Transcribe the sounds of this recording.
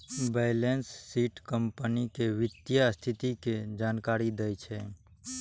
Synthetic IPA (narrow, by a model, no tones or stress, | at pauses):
bɛjlensːiːʈkəmpənikeʋɪt̪jast̪ʰɪt̪iked͡ʒaːnkaːɾid̪əjt͡ʃʰɛ